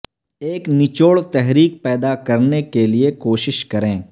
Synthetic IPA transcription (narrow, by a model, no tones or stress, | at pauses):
eːknɪt͡ʃoːɭt̪ɛɦɾiːk̚pɛːd̪akɐɾnekeliekoːʃɪʃkɐɾẽː